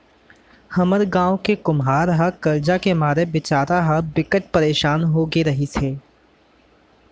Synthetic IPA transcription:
hɐməɾɡãːõkekʊmɦaːɾɦakɐɾd͡ʒakemaːɾebɪt͡ʃaːɾaɦabɪkəʈ̚pɐɾeːʃaːnɦoɡeɾɐɦisʰeː

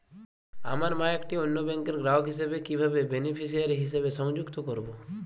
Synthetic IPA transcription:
amaɾmajakʈionːobɛŋkeɾɡɾawʈɦisebekibʱabebenipʰis̬ijaɾiɦisebesɔŋd͡ʒukt̪ɔkɔɾbo

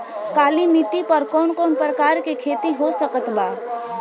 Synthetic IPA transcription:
kaːlimiʈːipɐɾkɔːnkɔːnpɾəkaːɾkikʰeːt̪iɦosəkət̪baː

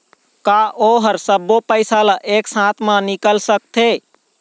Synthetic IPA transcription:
kaʔoɦəɾsəbːopəɪsalaʔeksãt̪ʰmə̃nikəlsək̚t̪ʰe

